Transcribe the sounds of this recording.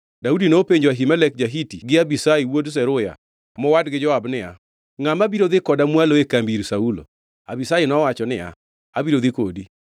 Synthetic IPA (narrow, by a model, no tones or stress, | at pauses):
daudinopeɲd͡ʒoaɦimɛlɛk̚d͡ʒaɦitiɡɪabisaiwods̬ɛɾʊja̰ | mɔwadɡɪd͡ʒɔwabnɪa̰ | ŋamabiɾod̪ɪkɔdamwaloekambiɾsaulo̰ | abisainɔwat͡ʃɔnɪa̰ | abiɾod̪ɪkodi